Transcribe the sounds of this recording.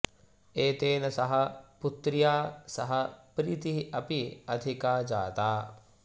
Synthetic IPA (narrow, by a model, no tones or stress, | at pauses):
eːt̪eːnɐsɐɦɐ̆put̪ːɾijaːsɐɦɐpɾit̪iɦɐpiɐd̪ʱikaːd͡ʒaːt̪aː